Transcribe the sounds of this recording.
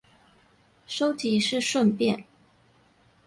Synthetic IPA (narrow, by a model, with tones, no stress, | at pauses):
ʂo˥ʊt̪ʰi˨˩ʂɻ̩˥˧ʂwə˥˧npjɛ˥˩n